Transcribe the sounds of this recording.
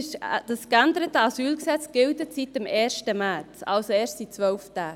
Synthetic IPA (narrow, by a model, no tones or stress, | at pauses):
d̥ɑskændəɾətəɑsyːlksɛt͡sɡ̥ɪldətsitəmʔɛːrʃtəmæːt͡sɑ̰lsoeːʃtit͡sʋœlftæː